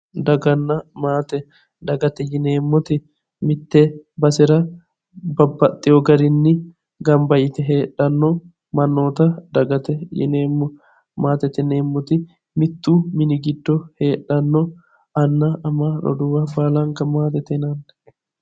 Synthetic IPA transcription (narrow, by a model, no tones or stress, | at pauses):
d̪ɐɡɐnːɐmaːt̪ɛ | d̪ɐɡɐt̪ɛjɪneːmːɔt̪ɪ | mɪt̪ːɛbɐsɪɾɐ | bɐbːɐt̪ʼːɪjɔɡɐɾɪnːɪ | ɡɐmbɐjɪt̪ɛɦeːᶑɐnːɔ | mɐnːoːt̪ɐd̪ɐɡɐt̪ɛjɪ̰neːmːɔ | maːt̪ɛt̪ɛneːmːɔt̪ɪ | mɪt̪ːuːmɪnɪɡɪd̪ːɔheːᶑːɐnːɔ | ɐnːɐʔɐmaᶑɔ̰d̪ʊwɐbaːlɐŋkɐmaːt̪ɛt̪ɛnɐnd̪ɛ̥